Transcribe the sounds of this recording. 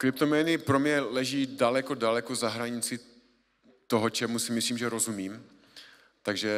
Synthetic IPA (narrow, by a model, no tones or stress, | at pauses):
kɾɪp̚t̪omɛnɪpɾo̞mɲɛlɛʒiːdalɛkodalɛkozaɦɾaɲɪt͡sɪ | t̪oɦot͡ʃɛmusɪmɪsliːmʒɛɾo̞zumiːm | t̪aɡʒɛ